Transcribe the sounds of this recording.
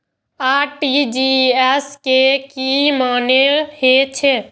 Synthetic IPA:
aʈid͡ʒiɛskekimanehet͡ʃʰe

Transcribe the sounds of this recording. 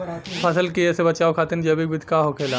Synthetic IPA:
pʰəsəlkiesebɐt͡ʃaːokʰaːt̪ɪnd͡ʒɐbik̚bɪd̪ʱkaːɦokʰeːla

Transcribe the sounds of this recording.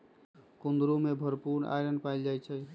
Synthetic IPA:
kund̪ɾumebʱəɾpuɾna̰jɾənɖpajld͡ʒajt͡ʃʰɛ

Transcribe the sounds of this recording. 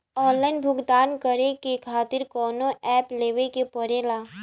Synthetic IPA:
ɔːnlaɪnbʱʊɡd̪aːnkəɾekekʰaːt̪ɪɾkɔːnõɛːpleːʋekepɔɾelaː

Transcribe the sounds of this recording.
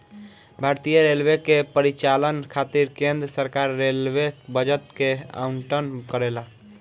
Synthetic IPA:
bʱaɾt̪ijəɾelʋekepəɾit͡ʃalənkʰat̪iɾkẽnd̪ɾəsəɾkaɾːelʋebəd͡ʒət̪kea̰uɳʈənkəɾela

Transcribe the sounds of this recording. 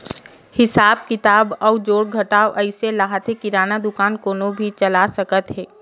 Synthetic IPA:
hɪsaːb̚kɪt̪aːbɔːd͡ʒoːɽɡʱɐʈaːoʔəɪselaːɦət̪ekɪɾaːnad̪ʊkaːnkoːnobʱit͡ʃɐlasəkət̪ɦɛː

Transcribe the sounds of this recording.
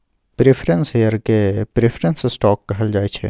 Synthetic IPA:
pɾefʰɾənsɦejəɾkepɾeːfʰɾə̃nssʈɔːkːɐɦəld͡ʒaːet͡ʃʰḛ

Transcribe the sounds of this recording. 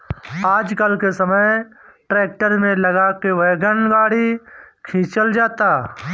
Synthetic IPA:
aːd͡ʒkəlkesɐməj | ʈɾeːk̚ʈəɾmẽlɐɡakeʋɛɡənɡaːɽikʰĩːt͡ʃəld͡ʒaːt̪aː

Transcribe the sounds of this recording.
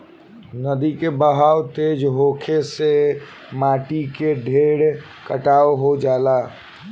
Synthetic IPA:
nəd̪ikebəɦawt̪ed͡ʒɦokʰese | maʈikeɖʱeɽ | kəʈawoɦod͡ʒala

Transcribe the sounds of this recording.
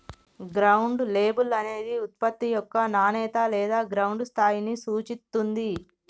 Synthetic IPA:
ɡɾɐwuɳɖle̞ːbulɐne̞ːd̪iut̪̚pɐt̪ːijɔkːɐnaːnɛːt̪alɛːd̪aːɡɾɐwɳɖst̪ʰaːjinisuːt͡ʃit̪ːund̪i

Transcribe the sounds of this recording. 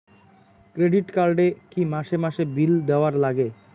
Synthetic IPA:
kɾeɖiʈkaɾɖekimaʃemaʃebild̪ɛaɾlaɡe

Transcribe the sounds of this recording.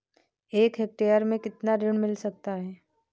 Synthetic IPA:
eːkɦek̚ʈeːəɾmẽkɪt̪naɾɪɳ̃mɪlsɐk̚t̪aɦɛː

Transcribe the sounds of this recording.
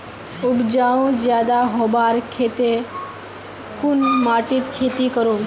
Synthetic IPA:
ʊbd͡ʒaːʋũzjaːd̪aɦoːbaːɾkʰet̪e | kʊnmaːʈit̪kʰeːt̪ikəɾõː

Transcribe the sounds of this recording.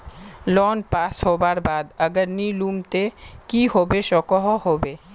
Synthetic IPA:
lɔnpashɔbaɾbad̪aɡəɾnilumt̪ekihɔbeʃɔkɔɦoɦɔbe

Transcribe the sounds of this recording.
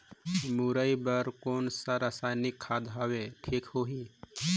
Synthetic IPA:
muɾəibəɾkoːnsaɾəsaːjnɪkʰːaːd̪ɦaːweʈʰiːkhoɦi

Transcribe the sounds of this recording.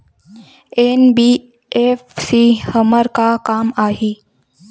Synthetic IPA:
eːnbiː | eːfsiːhəməɾkakaːmaːɦiː

